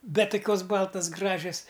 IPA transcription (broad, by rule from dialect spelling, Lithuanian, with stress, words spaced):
ˈbʲɛt toːˈkʲoːs ˈbɐlˠtɐs ˈɡrɑːʒʲɛs